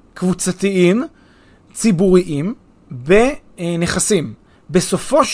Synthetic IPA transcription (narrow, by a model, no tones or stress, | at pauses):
kvut͡sat̪iim | t͡sibuʁiʔim | beneχasim | beso̞fo̞ʃ